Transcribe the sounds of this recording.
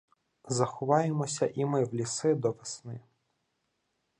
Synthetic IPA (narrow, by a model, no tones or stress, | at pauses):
zɐxʊʋɑjemɔsʲɐʔimɪwlʲisɪd̪ɔʋesnɪ